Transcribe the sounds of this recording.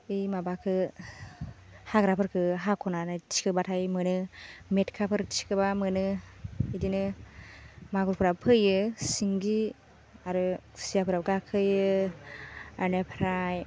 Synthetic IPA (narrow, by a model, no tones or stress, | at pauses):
ejmabakʰɯ | haɡɾapʰɯɾkʰɯɦakʰɔnanatʰi̥kʰɯbatʰajmɯnɯmetkʰapʰɯɾtt͡ʃi̥kʰɯbamɯnɯidinɯ | maɡuɾpʰɯɾapʰɯjɯsiŋɡi | aɾɯsijapʰɯɾaɡakʰɯjɯ | anepʰɾaj